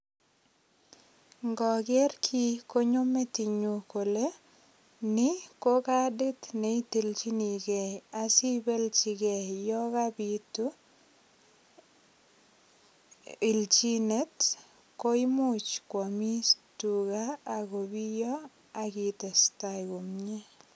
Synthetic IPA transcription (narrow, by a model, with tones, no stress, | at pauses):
ŋɡɔ˨ɡɛ˦rkʰi˦ko˦ɲo˦me˦ti˨ɲu˨ko˨le˦ | nɪ˦ko˦ka˦di˦t̪ne˨i˦te˨lt͡ʃi˦ni˨ɡe˨asi˦be˦lt͡ʃi˨ɡe˨jɔ˦ka˦bitu˦ | i˨lt͡ʃi˦ne˦t | ko˦i˦mʊ˦t͡ʃkwo˨mi˦stuɡaː˦˨ɡo˨bi˦jɔ˦ | a˨ki˨te˨sta˨ɡo˨mɲe˦